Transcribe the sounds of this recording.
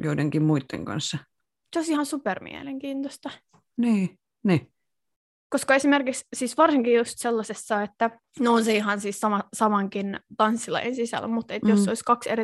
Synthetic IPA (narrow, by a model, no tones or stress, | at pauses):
joideŋkimmuit̪ːḛŋkɑ̰nsːɑ | seoisihɑnsupermḭḛleŋkiːnt̪ost̪ɑ | niː | ni | koskɑesimerkikssiːsʋɑrsiŋkijust̪selːɑsesːɑet̪ːæ | nonseiɦɑnsiːssɑmɑsɑmɑŋkint̪ɑnsːilɑ̰jʔḛnsisæ̰lmut̪et̪josːoiskɑksḛri